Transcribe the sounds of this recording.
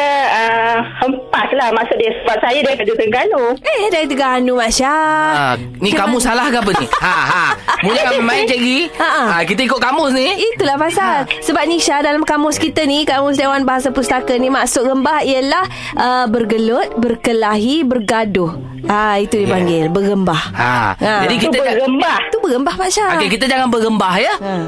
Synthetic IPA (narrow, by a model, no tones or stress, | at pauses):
əəhəmpaʔslahmaʔsʊʔ̚diasəbat̪̚sajadit̪əɡut̪əŋɡanuehdait̪̬əɡaɦanumaʃa | nikamusalahɡabənḭhaɦamulkamemaɪnt͡ʃɛʔɡiaʔəakit̪əikʊt̪̚kamʊsniit̪ulahpasalsəbap̚niʃadalamkamʊskit̪ənikamʊs̬dewanbaɦasapust̪akənimaʔsʊʔ̚ɡəmbahiəlah | ʔəbərɡəlʊt̪̚bərkəlaɦibərɡadʊh | ait̪udipaŋɡɪlbəɡəmbahha̰ad͡ʒd͡ʒadikit̪əd͡ʒaɡəmbat̪ubəɡəmbahmaʔʃaaɛkit̪əd͡ʒaŋanbəɡəmbahjə